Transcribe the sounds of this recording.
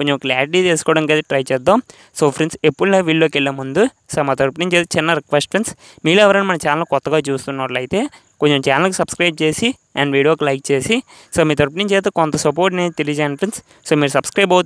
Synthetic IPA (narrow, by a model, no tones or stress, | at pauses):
koɲt͡ʃemklaːɾiʈ̬iːt̪eːsu̥kɔːɽɐŋkɐd̪eʈɾɐjt͡ʃɛːd̪ːaːm | soːpʰɾinsepːuɽneːʋiːɭːoːkelːɐmund̪u | soːmaːt̪̬ɐɾpɐniɲt͡ʃeːt̪ːt͡ʃɪnːɐɾikʋesʈɐns | miːluɛʋɐɾɐnimɐnɐmt͡ʃaːnɐlkɔt̪ːɐɡaːt͡ʃuːst̪unːaːɾlɐjit̪e̞ː | ko̞ɲt͡ʃemt͡ʃaːnɐlkusɐbskɾɐjb̚t͡ʃe̞ːsi | ɐɳɖʋiːɽijoːkilɐjk̚t͡ʃe̞ːsi | soːmiːt̪̬ɐɾp̬ɐniɲt͡ʃeːst̪eːkɔnt̪ɐsɐp̬oːɾʈ̬neːnit̪elid͡ʒeːnpʰɾins | soːmiːɾusɐbskɾɐjbɐwt̪